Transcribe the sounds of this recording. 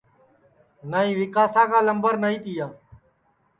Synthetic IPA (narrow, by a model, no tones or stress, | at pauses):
naːĩːʋɪkaːsãːkaːləmbəɾnaːĩːt̪iːaː